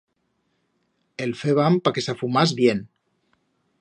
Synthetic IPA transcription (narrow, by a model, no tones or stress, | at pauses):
elfeβampakesafumazβjen